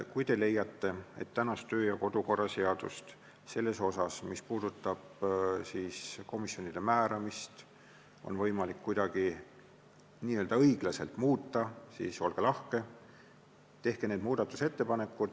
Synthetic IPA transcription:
kujt̪e̞le̞jːɑt̪ːe̞e̞̰t̪ːænɑst̪ø̞ːjɑko̞d̪̥uko̞rːɑse̞ɑd̪̥ust̪ | se̞lːe̞so̞sɑsmispuːd̪̥ut̪ˑːɑb̥̚siːsko̞misjo̞nid̪̥e̞mæːɾɑmist̪ | o̞̰nvɤjmɑlikːujd̪̥ɑɡ̥i | niːøld̪̥ɑɤjɡ̥lɑse̞̰lt̪muːt̪ːɑsḭːso̞lɡ̥elɑhke̞ | t̪e̞hke̞neːd̪muːd̪̥ɑt̪ːˑu̥se̞t̪ːe̞pɑne̞kːˑud̪̥

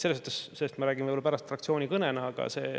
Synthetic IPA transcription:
selesmot̪ːˑesselːest̪mɑɾæːɡ̥imvəijbolɑpæɾɑst̪frɑkt̪sijo̞ːnʲikɤnenɑɑɡ̥ɑ̰se̞̰ː

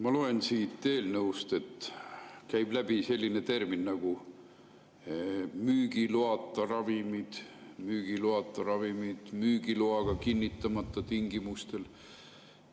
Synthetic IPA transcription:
mɑloe̞nsiːt̪ːe̞ːlnɤust̪e̞t̪kæjb̥læb̥ise̞lʲːine̞t̪e̞rminːɑɡ̥u | myːɡ̥iloɑt̪ːˑɑrɑvimid̪̥myːɡ̥iloɑt̪ːˑɑɾɑvimid̪̥myːɡiloɑɡ̥ɑkinʲːit̪ˑːɑmɑt̪ːɑt̪iŋɡimust̪e̞l

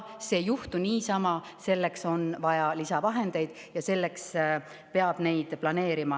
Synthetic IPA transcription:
se̞ːjuht̪uniːsɑmɑ | se̞lːe̞kso̞nvɑjɑlisɑvɑɦe̞nd̪̥e̞jd̪̥ | jɑse̞lːe̞ks | pe̞ɑb̥ne̞jd̪̥plɑne̞ːɾimɑ

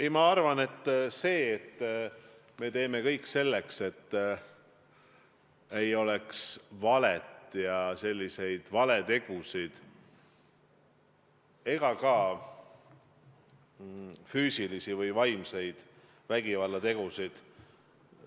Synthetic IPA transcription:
imɑɑrvɑne̞t̪ːˑse̞ːt̪ː | me̞t̪e̞ːme̞kɤ̞jkːse̞lːe̞kse̞t̪ː | e̞jo̞leksvɑlet̪jɑse̞lʲːise̞jd̪̥vɑle̞t̪e̞ɡ̥usid̪̥ | e̞ɡ̥ɑkɑ | fyːsilisivɯjvɑjmse̞jd̪̥ | væɡ̥ivɑlːɑt̪e̞ɡ̥usid̪̥

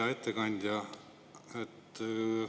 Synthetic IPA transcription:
ɑe̞t̪ːekɑnʲd̪̥ʲjɑ | et̪ː

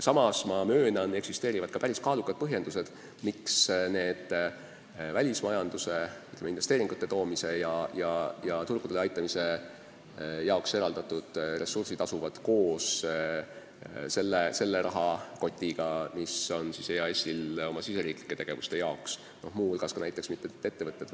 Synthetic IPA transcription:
sɑmɑsmɑmøːnɑne̞ksist̪e̞ːɾivɑd̪̥̚kɑ̥pæɾiskɑːlukːˑɑd̪̚pɤɦje̞nd̪̥use̞d̪̥ | miksne̞ːd̪̥ | vælʲismɑjɑnd̪̥use̞yt̪ːlemeinvest̪e̞ːɾiŋɡ̥ut̪ːˑe̞t̪o̞ːmise̞jɑjɑjɑt̪urɡ̥ud̪eleɑjt̪ːˑɑmise̞ | jɑokse̞ɾɑld̪̥ɑt̪ːˑud̪̥re̞sursid̪t̪ɑsuvɑd̪̥ko̞ːs | se̞lːese̞lːeɾʔɑɦɑko̞t̪ʲːˑiɡ̥ɑmiso̞nsisejɑesʲilo̞mɑsise̞ɾiːkli̥kˑːe̞t̪e̞ɡ̥e̞vust̪e̞jɑoks | no̞̰hmuːolɡ̥ɑskɑnæjt̪ːˑe̞ksmit̪ːet̪ːe̞t̪ːe̞vɤt̪ːˑed̪

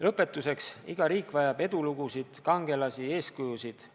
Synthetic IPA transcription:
lɤpːˑe̞t̪ːˑuse̞ksiɡ̥ɑɾiːkˑvɑjɑb̥e̞d̪̥uluɡ̥usid̪̥kɑŋɡ̥e̞lɑsie̞ːskujusid̪̥

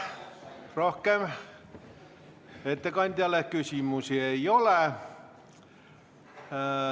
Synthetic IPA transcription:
rohkeːm | et̪ːekɑint̪ʲælːehkysiˑmusieiole

